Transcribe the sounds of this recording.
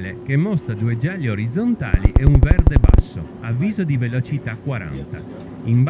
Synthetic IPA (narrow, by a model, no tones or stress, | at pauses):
lekemːɔst̪ɾad̪ued͡ʒalioɾid̪zːont̪a̰ːlḭʔɛuɱvɛrd̪eba̰sːo̰ | avːiːzod̪ivelot͡ʃit̪akːwaɾa̰nt̪a | imb